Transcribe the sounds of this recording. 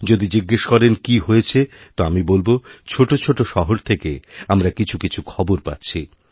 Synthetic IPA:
d͡ʑod̪id͡ʑiɡːeʃkɔɾenkiɦojet͡ɕʰet̪oamibolbot͡ɕʰoʈot͡ɕʰoʈoʃɔɦoɾt̪ʰekeamɾakit͡ɕʰukit͡ɕʰukʰɔboɾpa̰tːɕʰi

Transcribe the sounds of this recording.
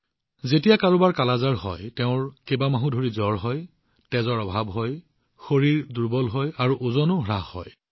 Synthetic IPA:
zetijakaɹubaɹkalazaɹɦɔ̰jtɛʊ̃ɹkebamaɦũdʱoɹizɔɹɦɔj | tɛzɔɹɔbʱabɦɔj | xoɹiɹduɹbɔlɦɔjaɹuʔuzɔnʊɦɹaɦːɔ̰j

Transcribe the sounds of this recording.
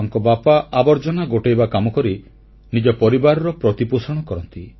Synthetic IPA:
ŋkɔbapaʔabɔɾd͡ʒɔnaɡoʈejbakamɔkɔɾi | nid͡ʒɔpɔɾibaɾɔɾɔpɾɔt̪iposɔɽ̃ɔkɔɾɔnt̪i

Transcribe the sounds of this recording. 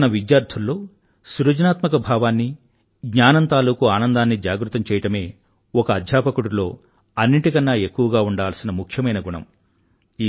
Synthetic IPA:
nɐʋid̪jaːɾt̪ʰulːo̞ː | suɾɐd͡ʒɐnaːt̪mɐkɐbʱaːʋaːnːi | ɡɲaːnɐnt̪aːluːkuaːnɐnd̪aːnːid͡ʒaːɡɾut̪ːɐmt͡ʃɛːjɐʈɐme̞ː | ɔkɐːd̪ʱjaːpɐkuɽulo̞ː | ɐnːiʈikɐnːaːe̞kːuʋɐɡaːuɳɖaːlsinɐmukʰjɐmɐjnɐɡuɳɐ̰m | iː

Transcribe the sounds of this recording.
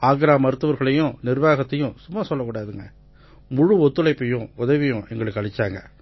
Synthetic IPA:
aːɡɾaːmɐɾɯt̪ːɯʋɐɾɣɐɭɐjʊ̃nɪɾʋaːɣɐt̪ːɐjʊ̃sʊmːasɔlːɐkːuːɽaːðɯŋɡɐ | mʊɻuɔt̪ːɯlɐɪpːɐjʊ̃ʊðɐʋɪjʊ̃ʔɛŋɡɐɭɯkːɐɭɪt͡ʃːaːŋɡɐ

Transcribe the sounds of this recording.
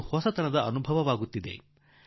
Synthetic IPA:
hɔsɐt̪ʰɐnɐd̪ɐɐnubʱɐʋɐʋaːɡut̪ːid̪ḛ

